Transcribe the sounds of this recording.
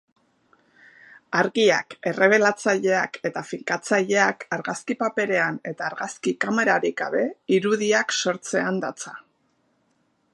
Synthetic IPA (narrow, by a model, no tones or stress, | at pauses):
aɾɣia̰ke̞re̞β̞e̞lat͡saʎe̞ake̞t̪afiŋkat͡saʎe̞akaɾɣaskipape̞ɾe̞ane̞t̪aːɾɣaskikame̞ɾaɾiɡɡa̰βe̞iɾuðiakso̞ɾt͡se̞and̪at͡sa